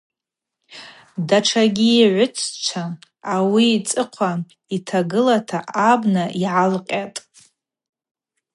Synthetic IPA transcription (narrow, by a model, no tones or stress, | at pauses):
daʈ͡ʂʰaɡʲiːʕʷʊt͡sʰt͡ʃʷʰaː | wiːt͡sʼɨqʷʰa | itʰaɡɨlatʰaʔabnaʔiʕalqʲʼatʼ